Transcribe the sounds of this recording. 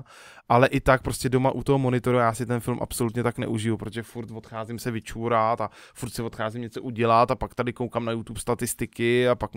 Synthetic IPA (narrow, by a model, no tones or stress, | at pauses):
ʔalɛʔɪt̪ak̚pɾoscɛdo̞maʔut̪o̞ɦomo̞nɪt̪o̞ɾuajaːsɪt̪ɛnfɪlmʔa̰psolut̪ɲɛt̪aknɛ̰ʔuʒɪjupɾot̪oʒɛfuɾt̪vo̞t̪xaːzɪmsɛvɪt͡ʃuːɾat̪afuɾt̪sɪvo̞t̪xaːzɪmɲɛt͡so̞ʔuɟɛlat̪apak̚t̪adɪkowkamnajut̪upst̪at̪ɪst̪ɪkɪapak